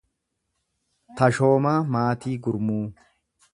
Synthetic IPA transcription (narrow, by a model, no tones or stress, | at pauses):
t̪ɐʃoːmaːmaːt̪iːɡʊɾmuː